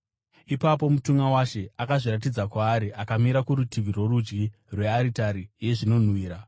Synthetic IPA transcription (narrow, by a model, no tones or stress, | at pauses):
ipapo̞mutuŋɡawaʃe̞akaʐiɾat̬id͡zakwaːɾiʔakamiɾakuɾutiʋʱirwo̞rud͡ʒɡi | rwe̞aɾitaɾije̞ʐino̞n̤wiːɾa